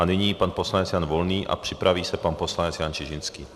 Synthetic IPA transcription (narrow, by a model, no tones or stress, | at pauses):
anɪɲiːpanposlaɲɛt͡sjaːnvolniːʔa̰pr̥ipɾaviːsɛpanposlaɲɛt͡sjaːnt͡ʃɪʒinskiː